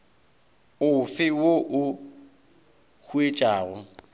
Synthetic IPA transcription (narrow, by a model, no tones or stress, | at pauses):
ʊfɪwoʔʊ | k͡xʰuet͡ʃʼaːrʊ